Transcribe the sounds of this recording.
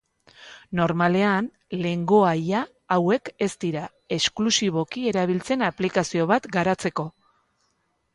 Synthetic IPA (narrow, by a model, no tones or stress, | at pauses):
no̞ɾmale̞an | le̞ŋɡo̞ajaː | we̞ke̞st̪iɾa | e̞sklusiβo̞kie̞ɾaβ̞ilt͡se̞naplikasio̞βat̪ɡaɾat͡se̞ko̞